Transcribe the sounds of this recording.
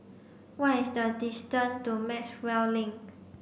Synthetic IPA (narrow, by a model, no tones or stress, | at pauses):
watisdədistə̃ntumɛt͡ʃwɛllĩŋ